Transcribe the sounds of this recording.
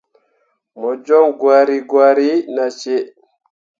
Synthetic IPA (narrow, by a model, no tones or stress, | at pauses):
mɔd͡ʒɔmɡwaːɾiɡwaːɾinat͡ʃɛ